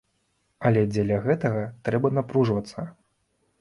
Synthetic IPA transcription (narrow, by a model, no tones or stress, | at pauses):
ɐlʲɛd͡zʲɛlʲɐɣɛt̪ɐɣɐt̪ɾɛbɐnapɾuʐvɐt̪sːɐ